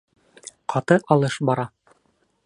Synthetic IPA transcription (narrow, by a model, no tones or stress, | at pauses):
qʰɑt̪ɤʔɑlˠɤʃbɑɾɑ